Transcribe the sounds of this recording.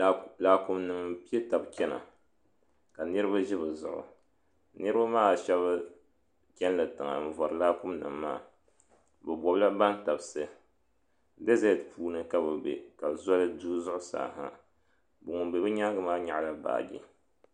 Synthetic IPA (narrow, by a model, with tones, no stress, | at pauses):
laː˦ku˦mnɨ˨ŋ˦pi˦e˦ta˨bkʲɛ˦na̰˨ | ka˨nɨ˦ɾɨ˦ba˦ʒi˦bɨ˨zʊ˨ʔʊ̰˨ | nɨ˦ɾɨ˦ba˦maː˦˨ʃɛ˦βɨ˦ | kʲɛ˦n˦lɨ˨tɨ˨ŋa̰˨n̩˨vɔ˨ɾɨ˨laː˦kʊ˦mnɨ̰˨mːa̰ː˦˨ | bɛ˨bɔ˨bla˦ba˦n˦ta˨bsɨ˦ | dɨ˦zɛ˦˨tpuː˦nɨ˦ka˦bɨ˨bḛ˨ka˨za˦lɨ˦duː˦zʊ˦ʔʊ˦sa̰ː˨ɦa̰˨ | bɨ˨ŋʊ˨be˨bɨ˦ɲa˦ɡɨ˦maː˦ɲa˨ʔla˦ba̰ː˨ɡḭ˦